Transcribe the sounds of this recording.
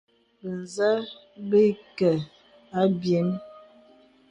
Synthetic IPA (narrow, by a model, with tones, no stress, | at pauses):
bə˨n˨zə˦ | bə˦kə˨ | a˦bje˨˦n